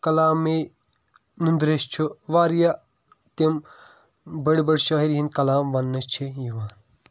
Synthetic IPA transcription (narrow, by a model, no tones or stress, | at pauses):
kɐlaːme | nund̪ɾest͡ʃʰuʋaːɾja | t̪em | bɐɽbɐɽʃɐːɦiɾɦinkɐlaːmʋɐnːɐst͡ʃʰijiʋaːn